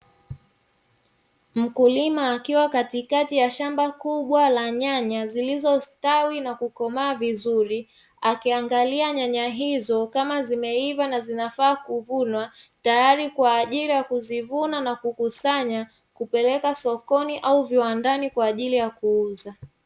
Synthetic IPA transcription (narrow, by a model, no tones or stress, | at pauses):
m̩kulimaːkiwakatikatijaʃambakuɓwalaɲaɲazilizɔstawinakukɔmaːvizuɾi | akiaŋɡaliaɲaɲaɦizɔkamazimɛivanazinafaːkuvunwatajaɾikwaːʄiɾijakuzivunanakukusaɲa | kupɛlɛkasɔkɔniʔauviwandanikwaːʄilijakuuza